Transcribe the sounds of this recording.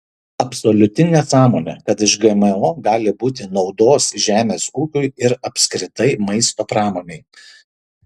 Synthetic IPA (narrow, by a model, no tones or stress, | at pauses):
ɐpsolʲʊt̪ʲɪnʲesɑːmoːnʲḛkɐt̪ɪʃɡɛmɛoːɡɑːlʲɪbuːt̪ʲɪnɒʊd̪oːsʒʲæːmʲeːsuːkʲʊɪɪɾɐpʲsʲkɾʲɪt̪ɐɪmɐɪst̪oːpɾɑːmoːnʲɛɪ